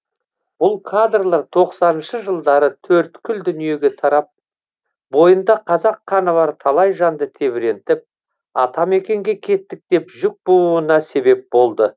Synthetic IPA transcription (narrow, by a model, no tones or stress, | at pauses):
b̥ʊlˠkʰad̪rlˠɑɾt̪ʰo̞qsɑnənʃəʒəlˠd̪ɑɾət̪ʰɵɾt̪kʲʰʏld̪ʏnije̞ɡʲe̞t̪ʰɑɾɑp̚ | bo̞jənd̪ɑqʰɑzɑqχɑnəβɑɾt̪ʰɑlˠɑjʒɑnd̪ət̪ʰe̞βɪɾe̞nt̪ɪp̚ | ɑt̪ɑme̞kʲe̞ŋɡʲe̞kʲʰe̞t̪ːɪk̚t̪e̞pʒʏk̚buluənɑse̞be̞p̚bo̞lˠd̪ə